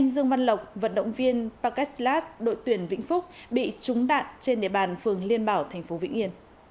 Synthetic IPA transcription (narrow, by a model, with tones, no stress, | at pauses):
ŋzɨ˧əŋva˧nlə˨˩wk͡p̚və̰˧˨nɗə̰˧˨wŋ͡mvi˧ənpaː˧kɛ˦˥laː˦˥sɗo̰˧˨jt̪wi˨˧˩ənvḭ̈˧˥ŋ̟fʊ˦˥k͡p̚ɓḭ˧˨t͡ɕʊ˨˦ŋ͡mɗa̰ː˧˨nt͡ɕe˧nɗḭ˧˨əɓaː˨˩nfɨ˨˩əŋli˧ənɓaː˨˩wt̪ʰa˨˩ŋ̟fo˨˦vḭ˧˨ŋ̟ʔi˧ən